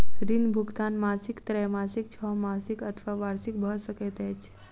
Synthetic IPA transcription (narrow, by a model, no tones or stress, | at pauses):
sɾinbʱuɡt̪anmasikt̪ɾɛmasik̚t͡ʃʰɔmasikət̪ʰʋaʋaɾsik̚bʱəsəket̪et͡ʃ